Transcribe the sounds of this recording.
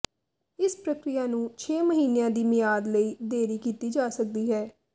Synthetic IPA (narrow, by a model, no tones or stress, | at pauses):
ɪspɾəkɾɪjaːnũːt͡ʃʰeːməɦiːnejãːd̪iːmɪjaːd̪ləiːd̪eːɾiːkiːt̪iːd͡ʒaːsək̚d̪iːɦɛː